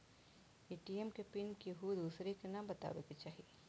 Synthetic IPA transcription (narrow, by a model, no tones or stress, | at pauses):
eːʈiemkepɪnkiɦud̪uːsɾekenaːmbɐt̪a̰ːʋḛket͡ʃaːɦi